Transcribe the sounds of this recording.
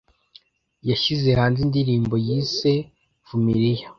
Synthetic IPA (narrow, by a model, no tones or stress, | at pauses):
jaʃize̞haːnzindiɾiːmbo̞jiːse̞ | vumiɾija